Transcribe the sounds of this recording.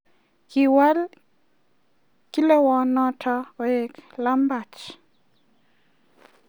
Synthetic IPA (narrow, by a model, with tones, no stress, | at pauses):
ki˨wa˦l | ki˦le˦wɔ˨nɔ˦tʰɔe˨kla˦mba˨t͡ʃ